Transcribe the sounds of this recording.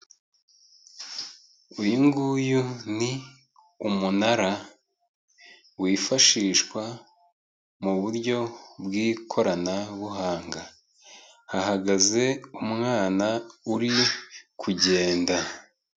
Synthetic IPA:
ujiŋɡujuni | umunaɾa | wiːfaʃiːʃkwa | muβuɾɟo̞bɡiːkʰo̞ɾanaβuɦaːŋɡa | haɦaɡaze̞umŋaːnauɾikʰuɟe̞ːnda

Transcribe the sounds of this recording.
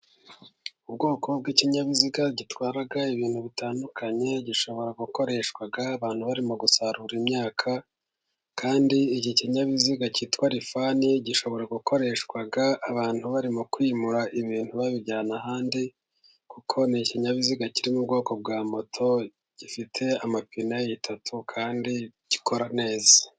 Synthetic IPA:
ubɡo̞ːkʰo̞b̚ɡiːciɲaβiziɡaɟitwaːɾaɡaiβiːn̥huβitaːndukʰaɲe̞ɟiʃo̞βo̞ɾaɡuko̞ɾe̞ːʃkwaɡaːβaːn̥huβaɾimoɡusaɾuɾimɲaːkʰa | kaːndiːɟiciɲaβiziɡacitwaɾifaniɟiʃo̞βo̞ɾaɡuko̞ɾe̞ʃkwaɡaːβaːn̥huβaɾimokwiːmuɾaʔiβiːnhuβaβiɟaːnahaːndi | kukʰo̞niciɲaβiziɡaciɾimubɡo̞ːko̞b̚ɡaːmo̞tʰo̞ | ɟ̥ifitʰe̞amapinajejitʰatʰukʰaːndiɟ̥ikʰo̞ɾane̞ːzaa

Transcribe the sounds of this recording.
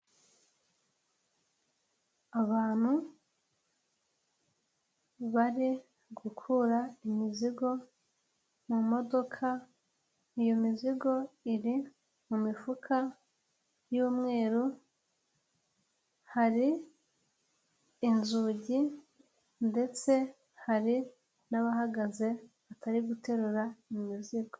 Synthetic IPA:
aβaːn̥hu | βaɾi | ɡukʰuɾaimiziɡo̞ | mumo̞do̞kʰa | ijomiziɡo̞iɾi | mumifukʰa | juːmŋe̞ːɾu | haɾi | nzuɟi | nde̞t͡se̞ | haɾi | naβaɦaɡaze̞βatʰaɾiɡute̞ɾuɾaimiziɡo

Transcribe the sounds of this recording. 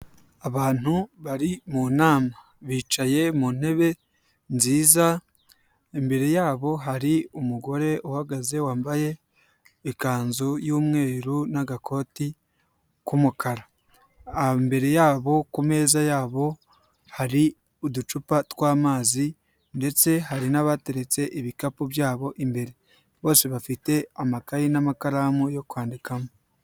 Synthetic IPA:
aβaːn̥uβaɾimunaːma | βiːt͡ʃaje̞muːn̥he̞βe̞ | nziːza | embe̞ɾe̞jaːβo̞ɦaɾiumuɡo̞ɾe̞ohaɡaze̞waːmbaje̞ː | kaːnzojuːmŋe̞ːɾunaɡakʰo̞ːti | kumukaɾa | ambe̞ɾe̞jaːβo̞kume̞ːzajaːβo̞ | haɾi | udut͡ʃupatwaːmaːzi | nde̞t͡se̞haɾinaβate̞ɾe̞t͡se̞ʔiβikapoβjaːβo̞ʔimbe̞ɾe̞ | βo̞ːseβafite̞amakajinamakaɾamujo̞kuaːndikamo

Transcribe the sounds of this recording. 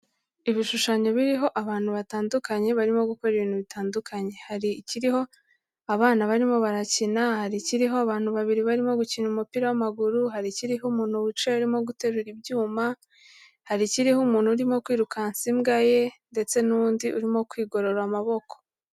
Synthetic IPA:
iβiʃuʃaɲo̞βiɾiɦo̞ʔaβaːn̥huβataːndukaɲe̞βaɾimo̞ɡuko̞ɾiβiːn̥huβitaːndukʰaɲe̞haɾiciɾiho̞ | aβaːnaβaɾimo̞βaɾacinahaɾiciɾiɦo̞aβaːn̥huβaβiɾiβaɾimo̞ɡucinumupiːɾawamaɡuɾuɦaɾiciɾiɦumuːn̥huβut͡ʃeuɾimo̞ɡute̞ɾuɾibɟuːma | haɾiciɾihumuːn̥huɾimo̞kwiːɾukansimɡaje̞nde̞t͡se̞nundiʔuɾimo̞kwiːɡo̞ɾoɾamaβo̞ko̥

